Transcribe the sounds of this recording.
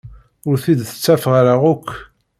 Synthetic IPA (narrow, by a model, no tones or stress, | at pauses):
ʊɾθid̪θə̥t͡sːæfʁaɾaʁʊkʷː